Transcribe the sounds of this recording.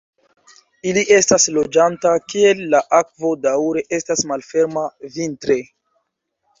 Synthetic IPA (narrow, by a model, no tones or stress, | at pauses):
iliʔe̞staslo̞d͡ʒantakie̞lːaʔak̚vo̞dawɾe̞ʔe̞stasmalfe̞ɾmavintɾe̞